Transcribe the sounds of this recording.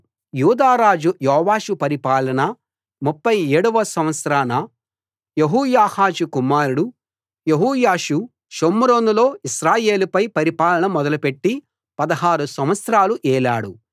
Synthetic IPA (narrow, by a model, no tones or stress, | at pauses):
juːd̪aːɾaːd͡ʒujɔːʋaːʃupɐɾipaːlɐnɐ | mupːɐjeːɽuʋɐsɐmʋɐt̪sɾaːnɐ | jeɦuːjaːhaːʃukumaːɾuɽu | jeɦuːjaːʃu | ʃomːuɾonulo̞ːiʃɾaːje̞ːlupɐjpɐɾipaːlɐɳɐmɔd̪ɐlupe̞ʈːi | pɐd̪ɐɦaːɾusɐmʋɐt̪sɾaːluʔɛːlaːɽu